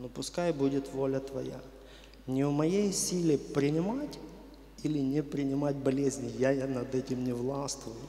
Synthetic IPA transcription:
nʊpʊskajbudʲɪt̪volʲət̪vɐ̰ja̰ | nʲɪvmɐjejsʲilʲɪpɾʲɪnʲɪmatʲ | ilʲɪnʲɪpɾʲɪnʲɪmatʲbɐlʲezʲnʲɪjajnɐd̪ɛtʲɪmnʲɪvlˠast̪vʊjʊ

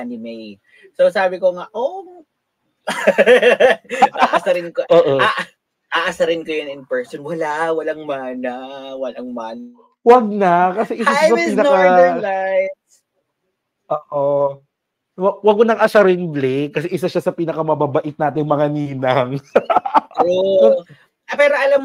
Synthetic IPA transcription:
nɪmej | sosaːbɪkoŋaʔom | aʔsɐɾɪnkoʔoːʔoaʔ | ʔaːʔasɐɾɪnkojʊnɪnpɛɹsonwɐlawɐlaŋmanɐwɐlaŋman | wɐɡ̚nɐkɐsɛʔɪsaʃsɐppiːnɐkalajt̪ | ʔoːʔo | wɐɡwɐɡ̚monɐŋʔasaɾɪnblɛkːɐsɛʔɪsaʃasɐpiːnɐkɐmɐbabɐʔɪt̪̚naːt̪ɪŋmɐŋaniːnɐŋ | o | pɛːɾoʔɐlam

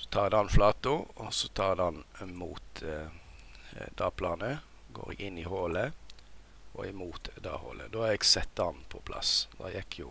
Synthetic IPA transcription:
sɔ̥t̪ʰɑːʁd̪ɑnflɑːt̪ʊɔsɔt̪ʰɑːʁd̪ɑnmṵːt̪ | d̪ɑːpʰlɑnə | ɡo̰ːɾɛ̰ɡɪnːihoːlə | ʔɔɛmuːt̪d̪ɑ̰ːho̰ːlə̰d̪oːhɑɾɛɡsɛt̪ːɑnpʰɔpʰlʔɑ̰sd̪ɑ̰jɛkʰːjʊ

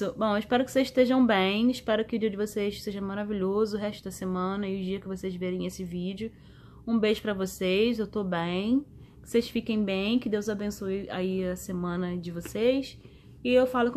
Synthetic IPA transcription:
ʊbõw̃ɪʃpɛɾʊkɪ̥sezɪʃt̪eʒɐ̃w̃bẽj̃ɪʃpɛɾʊkɪʊd͡ʒiɐd͡ʒɪvosejsseʒɐmaɾaviʎozʊːɦɛʃt̪ʊd̪ɐsemɐ̃nɐɪʊd͡ʒiɐkɪvosejzveɾẽj̃esɪvid͡ʒɪʊ | ũbeʒʊpɾɐvosejzewt̪obẽj̃ | kɪ̥sejʃfikẽj̃bẽj̃kɪd̪ewzabẽsujaiɐsemɐ̃nɐd͡ʒɪvosejs | ɪewfalʊk

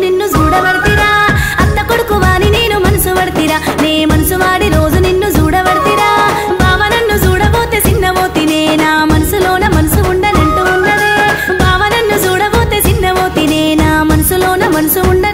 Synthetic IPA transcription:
ninːud͡ʒuːɽɐbɐɽt̪iɾaːɐt̪ːɐkoɽukuʋaːnineːnumɐnɐsuʋɐɽt̪iɾaneːmɐnɐsuʋaːɽiɾoːd͡ʒuninːud͡ʒuːɽɐʋɐɽt̪iɾaː | bʱaːʋɐnɐnːud͡ʒuːɽɐʋoːt̪et͡ʃinːɐʋoːt̪ineːnaːmɐnɐsuloːnɐmɐnɐsuuɳɖɐneɳʈuunːɐd̪ebʱaːʋɐnɐnːud͡ʒuːɽɐboːt̪et͡ʃinːɐʋoːt̪ineːnaːmɐnɐsuloːnɐmɐnɐsuuɳɖɐ

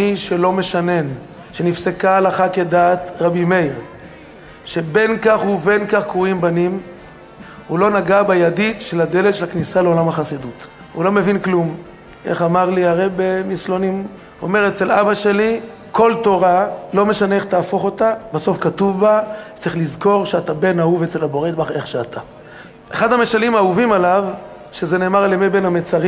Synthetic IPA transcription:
iʃe̞lo̞me̞ʃane̞n | ʃenifsekaalaχake̞daːt̪ʁabime̞jʁ | ʃe̞be̞nkaχhuve̞nkaχkʁuimbanim | ulo̞naɡabajaditʃe̞lad̪elet̪ʃelaknisaleo̞lamhaχasid̪ut | ulo̞me̞vinklum | ʔḛχamaʁliaʁebemislo̞nim | o̞̰me̞ʁet͡se̞labaʃe̞li | ko̞lto̞ʁalo̞me̞ʃane̞eχt̪aːfo̞χo̞tabaso̞fkatuvbatt͡saʁiχlizko̞ʁʃeatabe̞nauvet͡se̞labo̞ʁet̪baχe̞χʃeatʰa | ʔeχad̪hame̞ʃalimauvimalav | ʃezene̞ːmaʁalemebe̞namet͡saʁi

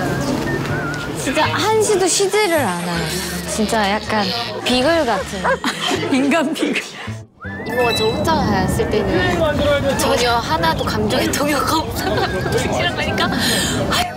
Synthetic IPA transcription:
t͡ɕint͡ɕ͈ahanɕʰidoɕʰid͡ʑeɾɯɾanat͡ɕint͡ɕ͈ajak̚k͈anpiɡɯɭɡatʰɯniŋɡanpiɡɯɭ | iɡoat͡ɕod͡ʑaŋas͈ɯɭt͈eɲo | t͡ɕʌɲʌhanadokamd͡ʑʌetʰoŋokʌ | ɯt͡ɕʰiɾakaɲik͈a | a

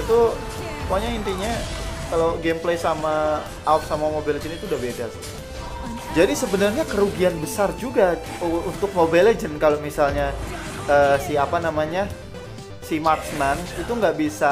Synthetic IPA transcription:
it̪u | kuaɲaint̪iɲakaloɡemplejsamaː | uk̚samamobeled͡ʒənit̪uːdahbedas | d͡ʒadisəbənərɲakəɾuɡianbəsard͡ʒuɡa | unt̪ʊk̚mobeled͡ʒənkalomisalɲa | əsiapanamaɲa | simartsmansit̪uŋɡaʔbisa

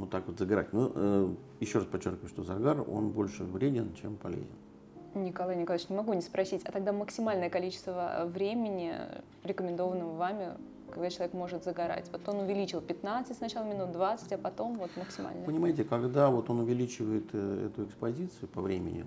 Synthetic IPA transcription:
mot̪ːakvot̪zəɡɐɾa̰tʲnoə | jɪɕːoɾaspɐt͡ɕːorkʲɪvəjʂt̪o̞zɐɡaro̞̰nbo̞lʲʂɨvɾʲedʲɪnt͡ɕempɐ̰lʲḛzʲɪ̰n | nʲɪkɐlˠajnʲɪkɐlˠʲət͡ɕnʲɪmɐɡunʲɪspɾɐsʲitʲɐ̰t̪ɐɡ̚d̪aməksʲɪmalʲnəjəkɐlʲit͡ɕɪ̥st̪və̰vɾʲemʲɪnʲɪ | ɾʲɪkəmʲɪnd̪o̞vənəmvamʲɪ | kɐɡd̪at͡ɕɪlˠɐvʲekmo̞ʐɨt̪zəɡɐɾa̰tʲvo̞t̪o̞nʊvʲɪlʲit͡ɕɪlˠpʲɪt̪nat̪sɨtʲsnɐt͡ɕalˠəmʲɪnut̪̚d̪vat̪sɨ̥tʲɐpɐt̪o̞mvo̞t̪məksʲɪma̰lʲnəpənʲɪmajɪt̬ʲɪkɐɡd̪avo̞t̪o̞nʊvʲɪlʲit͡ɕɪvəjɪt̪ɛ̰t̪ʊɪkspɐzʲit̪sɨjʊpɐvɾʲemʲɪ̰nʲɪ̰

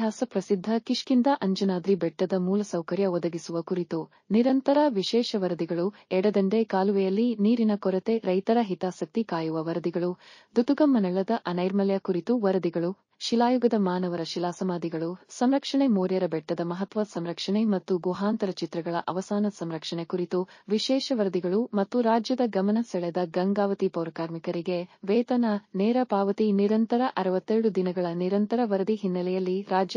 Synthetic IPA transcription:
jaːsɐpɾɐsid̪ʱːɐkiʂkind̪ɐʔɐɲd͡ʒɐnaːd̪ɾibɛʈːɐd̪ɐmuːlɐsɐwkɐɾjɐɔd̪ɐɡisuʋɐkuɾit̪u | niɾɐnt̪ɐɾɐʋiʃɛːʃɐʋɐɾɐd̪iɡɐɭuɛɽɐd̪ɐɳɖekaːluʋɛjɐlːiniːɾinɐkɔɾɐt̪e̞ɾɐjt̪ɐɾɐɦit̪aːsɐk̚t̪ikaːjuʋɐʋɐɾɐd̪iɡɐɭud̪ut̪uɡɐmːɐnɐɭɐd̪ɐʔɐnɐjɾmɐlɛjɐkuɾit̪uʋɐɾɐd̪iɡɐɭu | ʃilaːjuɡɐd̪ɐmaːnɐʋɐɾɐʃilaːsɐmaːd̪iɡɐɭusɐmɾɐkʂɐɳemoːɾjɐɾɐbɛʈːɐd̪ɐmɐɦɐt̪ʋɐsɐmɾɐkʂɐɳemɐt̪ːuɡuɦaːnt̪ɐɾɐt͡ʃit̪ɾɐɡɐɭɐʔɐʋɐsaːnɐsɐmɾɐkʂɐɳekuɾit̪uʋiʃɛːʃɐʋɐɾɐd̪iɡɐɭumɐt̪ːuɾaːd͡ʒjɐd̪ɐɡɐmɐnɐsɛɭɛd̪ɐɡɐŋɡaːʋɐt̪ipɐwɾɐkaːɾmikɐɾiɡe̞ʋeːt̪ɐnɐneːɾɐpaːʋɐt̪iniɾɐnt̪ɐɾɐʔɐɾɐʋɐt̪ːeɾɽud̪inɐɡɐɭɐniɾɐnt̪ɐɾɐʋɐɾɐd̪iɦinːɐlɛjɐlːiɾaːd͡ʒɐ

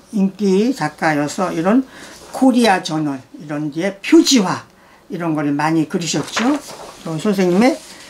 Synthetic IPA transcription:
iŋk͈it͡ɕak͈ajʌsʰʌiɾʌnkʰoɾiat͡ɕʌnʌɭiɾʌndie̞pʰjod͡ʑiwa | iɾʌnɡʌɾɯɭmaɲikɯɾiɕʰʌt̚t͡ɕ͈ot͈osʰonsʰeŋɲime

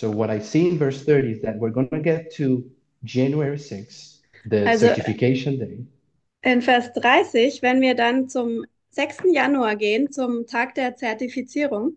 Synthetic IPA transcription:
soʊwʌɾaɪsiɪ̃nvɜ˞sθɜ˞ɾiɨzðɨt̚wɪɹɡõnɨɡɛtʰːu | d͡ʒæ̃njuɛɹisɪks | ðɨalszɛotɪfikʰeɪʃɨ̃ndeɪ | ʔɪnfɛɐsd̥ʁaɪsɪçv̥ɛnviːɐdant͡sʊm | z̥ɛkstn̩januaɐɡeːənt͡sʊmtʰaːk̚d̥eːɐt͡sɛɐtifit͡siːʁʊŋ

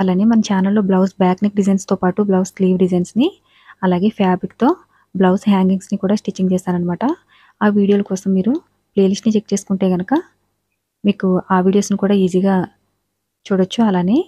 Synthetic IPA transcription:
ɐlaːneːmɐnɐmt͡ʃaːnɐlːo̞ːblɐwsbaːknik̚ɖizɐjnst̪oːpaːʈublɐwskliːʋɖizɐjnsni | ɐlaːɡe̞ːpaːbɾikt̪o̞ː | blɐwsɦaːŋɡiŋsnikuːɽaːsʈit͡ʃːiŋɡt͡ʃɛːst̪aːnɐnimaːʈɐ | aːʋiːɽijoːlɐkoːsɐmːiːɾu | ple̞ːliʂʈnit͡ʃek̚ːt͡ʃe̞ːsu̥kuɳʈeːɡɐnɐkɐ | miːkuaːʋiːɽijo̞ːsnikuːɽaːiːziːɡaː | t͡ʃuːɽɐt͡ʃːuɐlaːne̞ː

